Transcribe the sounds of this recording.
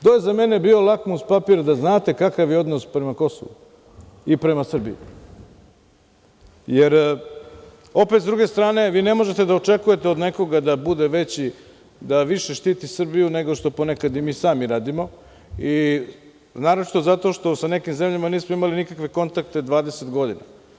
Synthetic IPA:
t̪oje̞zame̞ne̞biːo̞lˠakmuspapiɾd̪aznaːt̪e̞kakaʋjeo̞d̪nospɾe̞mako̞so̰ʋṵ | ipɾe̞masr̩bḭḭ | jeɾ | o̞pe̞t̪zd̪ɾuɡe̞st̪ɾaːne̞ʋiːne̞mo̞ʒet̪ed̪aot͡ʃe̞kuje̞t̪eo̞d̪ne̞ko̞ɡad̪abud̪eʋe̞t͡ɕi | d̪aʋiʃeʃt̪iːt̪isr̩bijune̞ɡo̞ʃt̪o̞po̞nekad̪imiːsaːmiɾaːd̪imo̞ | i | naːɾot͡ʃi̥t̪o̞zat̪o̞ʃt̪o̞sane̞kimze̞mʎamaniːsmoimalinikakʋeko̞nt̪ak̚t̪e̞d̪ʋaːd̪eset̪ɡo̞d̪ina̰

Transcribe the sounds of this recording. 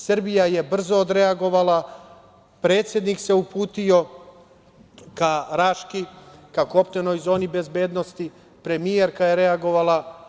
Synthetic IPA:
srbijaje̞br̩zoːd̪ɾe̞aɡo̞ʋalˠa | pɾe̞ːt̪sje̞d̪nikse̞upuːt̪io̞ | kaɾaʃkikako̞pt̪eno̞jzo̞ːnibe̞zbe̞ːd̪no̞st̪i | pɾemijeɾkajeɾe̞aɡo̞ʋalˠa

